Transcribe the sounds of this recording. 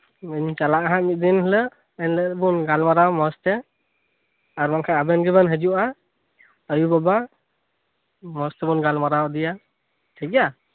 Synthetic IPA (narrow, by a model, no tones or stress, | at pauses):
ɲt͡ʃalaʔaɦamit̪̚d̪inhlə | ənlət̪bunɡalmaɾawmɔstɛ | aɾmaŋkʰaabɛnɡɛbanɦɛd͡ʒuʔa | əjubaba | mɔstɛbunɡalmaɾawd̪ija | tʰaka